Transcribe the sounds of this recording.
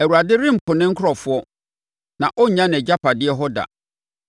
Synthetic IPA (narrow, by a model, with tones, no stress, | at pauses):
ɛ˨wu˨ɾa˨dɪ˦ɾɪ̃˦m̩˨pʰʊ̃˨nɪ̃˦ŋ̩˦kʰɾɔ˨fʊ˦ɔ˦ | nã˨ʔɔ˦˨ɲã˦n˨ɛ˨d͡ʑa˦pʰa˨dɪ˦ɛ˦ɦɔ˦da̰˨